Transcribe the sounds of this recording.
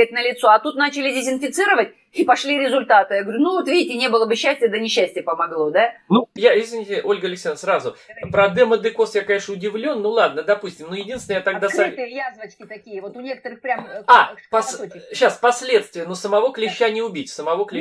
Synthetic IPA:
ɪt̪̚ʲnəlʲɪt̪so̞ɐt̪ut̪nat͡ɕɪlʲɪdʲɪzʲɪnfʲɪt̪sɨɾəvət̚ʲ | ipɐʂlʲiɾʲɪzʊlʲt̪at̪ɨjaɡəvəɾʲʊnuvot̪vʲidʲɪtʲɪnʲebɨlˠəbɨɕːæsʲtʲɪjəd̪ənʲɪɕːæsʲtʲɪjəpəmɐɡlˠo̞d̪anujaɪsʲɪnʲɪtʲɪʔo̞lʲɡəlʲɪksʲenəsɾazʊpɾɐd̪ɛməd̪ɨko̞sjakɐnʲeʂəʊdʲɪvlʲonːulˠad̪̚nəd̪ɐpusʲtʲɪmnujɪdʲinsʲnəjt̪ɐɡd̪asajazvət͡ɕkʲɪt̪ɐkʲijəvot̪ʊnʲekə̥t̪əɾɨxpɾʲamapɐsɕːaspɐsʲlʲe̞t̪st̪vʲɪjənosəmɐvo̞klʲɪɕːanʲɪʊbʲitʲsəmɐvo̞klʲɪ

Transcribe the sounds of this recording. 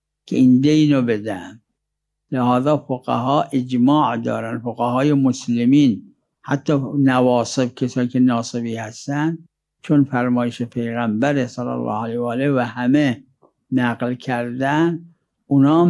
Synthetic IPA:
kʲʰeind̪eiːnobed̪æn | lehɒːzɑːfoɣæ̰ɦɒːʔed͡ʒmɒːʔd̪ɒ̰ːɾænd̪foɣæhɒːjemoslemiːn | hæt̪ʰːɒːnævɒːse̞b̚kʰesɒːjikʰʲenɒːsebiːhæst̪ænd̪ | t͡ʃʰonfæɾmɒːjeʃepʰejɣæmbæɾesɑlæ̰lːɑ̰ːhælejɑːlevæhæme | næɡlkʲʰæɾd̪æn | unɒː

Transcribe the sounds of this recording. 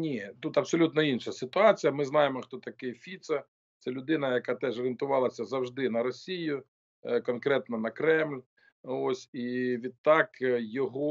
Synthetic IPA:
nʲit̪ut̪ɐbsɔlʲut̪nɔinʃɐsɪt̪ʊɑt͡sʲijɐmɪznɑjemɔxt̪ɔt̪ɐkɪfʲit̪sɐ | t̪sɛlʲʊd̪ɪnɐjɐkɑt̪ɛʒɔɾʲɪnt̪ʊʋɑlˠɐsʲɐzɐwʒd̪ɪnɐɾɔsʲijʊ | kɔnkɾɛt̪nɔnɐkɾɛmlʲ | osʲiʋʲid̪̚t̪ɑkjɔɦɔ

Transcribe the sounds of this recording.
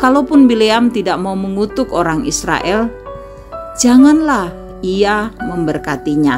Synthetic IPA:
kalopʊnbileamt̪idaʔmauməŋut̪ʊkoɾaŋisɾa̰ʔɛl | d͡ʒaŋanlah | iaməmbərkat̪iɲa

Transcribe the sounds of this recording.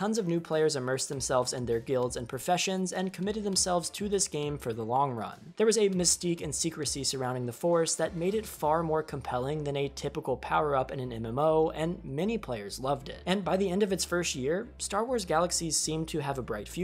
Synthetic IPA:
tʰʌ̃nzʌvnʉpʰl̥eɪə˞zɨmɜ˞sðɨ̃m̩sɛlˠvzɨ̃nðə˞ɡɪlˠdzɨ̃npʰɹ̥ɨfɛʃɨ̃nzɨ̃nkʰəmɪɾɨd̪̚ðə̃m̩sɛlˠvz̥tʰɨðɪsɡ̥ẽɪ̃ɱfə˞ðəlɔ̃ŋɹʌ̰̃nðə˞wʌzɨmɨstikɨ̃nsikɹɨsisə˞ãʊ̃ndɪ̃ŋðəfɔɹsðɨt̚meɪɾɨtfɑɹmɔɹkʰə̃m̩pʰɛlˠɪ̃ŋðɨ̃nɨtʰɪpəkl̩ˠpʰaʊə˞ʌpɨ̃nɨ̃nɛ̃mɛ̃moʊɨ̃nmɛñipʰl̥eɪə˞zlʌvdɪ̰t̚ɨ̃nbaɪðiɛ̃ndʌvɨtsfɜ˞st̚jɪɹstɑɹwɔɹzɡælˠəksiz̥sĩmtʰɨːvəbɹaɪtfjʉ

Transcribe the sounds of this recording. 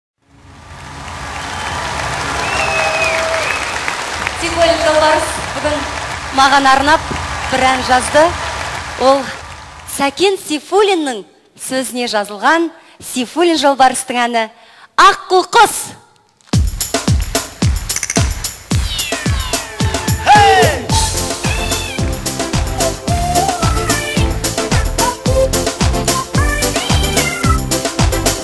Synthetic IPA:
sifulʲinʒolˠbɑɾəsbʏɡʲɪnmɑʁɑnɑɾnɑp̚b̥ɪɾænʒɑzd̪əwʔo̞lˠsækʲe̞nsifulʲinːəɴ | sɵzɪne̞ʒɑzəlˠʁɑn | sifulʲinʒolˠbɑɾəst̪əɴænɪ | ɑqːʊlˠqəs | h

